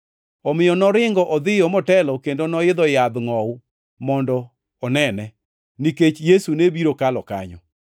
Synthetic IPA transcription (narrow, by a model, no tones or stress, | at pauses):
ɔmɪjɔnɔɾɪŋɡɔʔɔd̪ɪjɔmɔtɛlɔkendonɔɪd̪ɔjad̪ŋɔʊ | mɔndɔ | ɔnɛnɛ | niket͡ʃjesunebiɾokalɔka̰ɲɔ̰